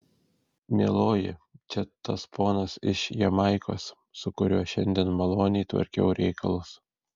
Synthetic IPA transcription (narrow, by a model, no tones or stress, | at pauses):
mʲeːlˠoːjɪt͡ʃʲɛt̪ɐspoːnɐsɪ̰ʃjɛmɐɪko̰ːsː | ʊkʊɾʲuɔʃʲɛ̰nʲd̪ʲiɛnmɐlˠoːnʲɪːt̪ʋɐ̰ɾʲkʲɛ̰ʊɾʲʔɛɪkʰɐlˠʊs